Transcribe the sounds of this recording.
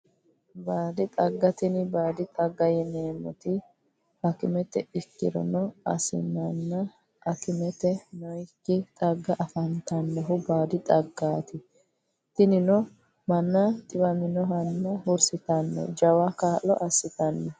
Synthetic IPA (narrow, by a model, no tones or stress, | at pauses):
baːd̪ɪt̪ʼɐɡːɐt̪ɪnɪbaːd̪ɪt̪ʼɐɡːɐjɛneːmɔt̪ɪ | ɐkɪmɛt̪ɛɪkːɪ̰d̪ɔ̰nɔɐ̰sɪ̰nːɐnːɐ | ʔɐkɪmɛt̪ɛnɔjkːɪt̪ʼɐɡːɐʔɐfɐnt̪ɐnːɛɦʊbaːd̪ɪt̪ʼɐɡːaːt̪ɪ | t̪ɪnɪnɔ | mɐnːɐt̪ʼɪbɐmɪnɔɦɐnːɐhʊɾsɪt̪ɐnːɛ̰d͡ʒɐwɐkaːʔːɔ̰ʔɐsːɪt̪ɐnːɛ